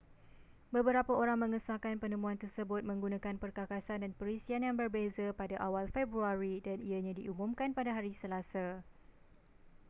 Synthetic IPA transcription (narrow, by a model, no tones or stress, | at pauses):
bəbəɾapaoɾaŋmə̃ŋəsakanpənə̃mũant̪ərsəbʊt̪̚mə̃ŋɡunãkanpərkakasandanpəɾisianjaŋbərbezapadaʔawalfebɾuaɾidaniaɲãdiʔumumkanpadaɦaɾisəlasa